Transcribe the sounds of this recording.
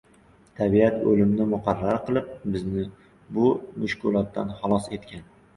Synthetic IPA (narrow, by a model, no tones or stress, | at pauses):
t̪ʰabiat̪ɵlɪmnɪmʊqʰɑɾːaɾqɨlˠɪp̚bɪznɪ | bʊmʊʃkʊlˠɒt̪ːa̰nχɑlˠɒse̞t̪kʲʰan